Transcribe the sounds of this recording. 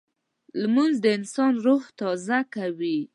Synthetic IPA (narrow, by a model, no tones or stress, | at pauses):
lmunzd̪əɪnsɑnɾoxt̪ɑzakawi